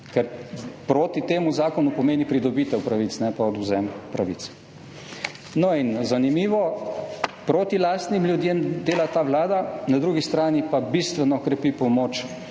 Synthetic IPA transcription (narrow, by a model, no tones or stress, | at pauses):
kɛɾpɾoːt̪it̪eːmuzaːkɔnupɔmeːnipɾid̪ɔbiːt̪ɛwpɾaʋit̪snɛpaɔd̪uzɛmpɾaʋḭt̪s | nɔinzanimiːʋɔ | pɾoːt̪ilaːst̪nimlʲjud̪jemd̪eːlat̪aːʋlaːd̪anad̪ɾuɡist̪ɾaːnipabist̪ʋɛnɔkɾɛpipɔmoːt͡ʃ